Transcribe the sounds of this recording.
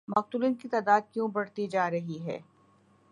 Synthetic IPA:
mɐq̚t̪uliːnkit̪aːd̪aːd̪̚kjũːbɐɽt̪id͡ʒaːɾɐɦiɦɛ̰ː

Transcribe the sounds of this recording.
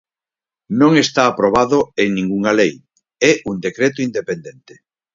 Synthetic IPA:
nõŋest̪aːpɾoβ̞aðʊeŋnĩŋɡuŋalej | ɛʔund̪ekɾet̪ʊind̪epend̪ent̪e̥

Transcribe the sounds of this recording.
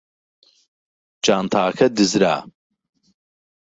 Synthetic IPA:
d͡ʒaːnt̪ʰaːkʰɐd̪ɨzɾa̰ː

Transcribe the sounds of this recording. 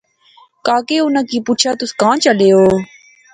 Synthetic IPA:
kaːkeːʊnãːkiːpuːt͡ʃʰaːt̪ʊskãːt͡ʃəleːoː

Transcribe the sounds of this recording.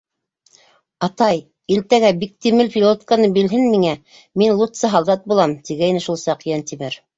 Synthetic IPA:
ɑt̪ɑj | ilt̪æɡæbik̚t̪imɘlfʲilˠot̪kanɤbilɦɘnmiŋæ | minlˠut̪sɤɦɑlˠd̪ɑt̪̚bulˠɑmt̪iɡæinɘʃulˠsɑqjɑnt̪imɘɾ

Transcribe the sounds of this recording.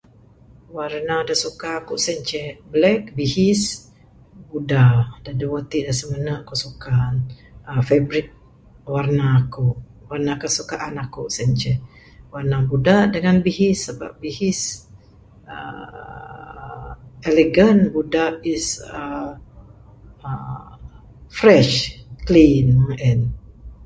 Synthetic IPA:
warnadasukaːkuʔsɛɲt͡ʃɛblɛk̚bihis | budadaduwət̪iʔdasəmənəʔkoʔsukanəfebɾit̪̚ | warnakoʔ | warnakasukaʔanakuʔsɛɲt͡ʃɛ | warnabudaʔdəŋanbiɦisːəba̰p̚bihis | ə̰ | eleɡənbudaʔisə | ə | fɾɛʃklinməŋɛn

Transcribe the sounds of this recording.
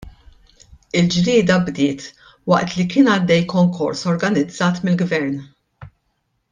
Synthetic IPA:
ɪld͡ʒɾɪːd̪ɐbd̪ɪːt̪ | wɐ̰ʔt̪likɪːnɐd̪ːɛjkɔŋkɔ̰ɾsɔɾɡɐnɪd͡zːɐːt̪mɪlɡvɛɾn

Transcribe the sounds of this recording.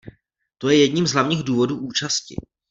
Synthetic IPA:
t̪o̞jɛjɛdɲimzɦlavɲiːɣduːvo̞duːʔuːt͡ʃascɪ̰

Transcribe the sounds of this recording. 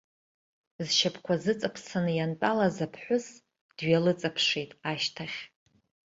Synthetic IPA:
zʃapʰkʷazɨt͡sʼapʰsanɨjantʼalazapʰħʷʊs | d̥ɥalɨt͡sʼapʰʂejtʼaʃtʰaχʲ

